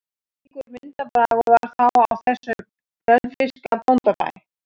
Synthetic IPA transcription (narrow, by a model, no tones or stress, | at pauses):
ikʏɾmɪnt̪apɾaɣavaɾ̥θawawθɛsːʏ | ɾœnfɪskapɔnt̪ava̰j